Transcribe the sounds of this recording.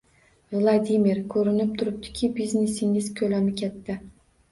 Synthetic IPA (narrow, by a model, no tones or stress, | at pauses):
vlˠad̪imiɾkʰɵɾɪnɪp̚t̪ʰʊɾɪp̚t̪ʰɪ̥kʲʰɪbiznesɪŋɪzkʲʰɵlamɪkʲʰet̪ːɪ